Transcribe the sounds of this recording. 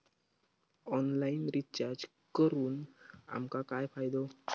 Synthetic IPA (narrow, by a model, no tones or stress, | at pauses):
ɔnlainɾit͡ɕaɾd͡ʑ | kəɾuːna̰mkakajfajd̪o